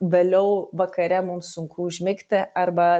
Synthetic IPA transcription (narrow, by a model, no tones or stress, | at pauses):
ʋʲeːlʲɛʊʋɐkɐɾʲɛmʊmsʊŋkuːʒʲmʲɪkʲt̪ʲɪʔɐɾbɐ